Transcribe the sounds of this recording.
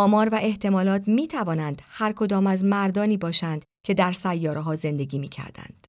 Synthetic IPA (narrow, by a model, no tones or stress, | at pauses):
ɒːmɒːɾvæʔe̞ht̪ʰe̞mɒːlɒːt̪ʰmiːt̪ʰævɒːnænd̪̥hæɾkʰo̞d̪ɒːmæzmæɾd̪ɒːniːbɒːʃænd̪̥ | cʲʰe̞d̪æɾsæjːɒːɾeɦɒːze̞nd̪e̞ɡiːmiːcʰæ̰ɾd̪æ̰nd̪̥